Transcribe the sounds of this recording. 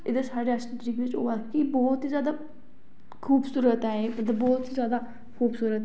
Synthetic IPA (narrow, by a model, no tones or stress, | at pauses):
ɪd̪esaːɽeːasət̪ɾiːkʋɪt͡ʃo̰ːbakibɔːt̪izjaːd̪aː | kʰuːbsuːɾət̪ɦɛːemət̪ləbɔːt̪izjaːd̪aː | kʰuːbsuːɾət̪